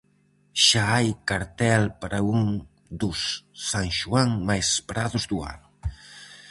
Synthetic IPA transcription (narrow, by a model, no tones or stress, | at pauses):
ʃaajkaɾt̪ɛlpaɾauŋ | d̪usːaŋʒuaŋmajspɾaðuzd̪ua̰n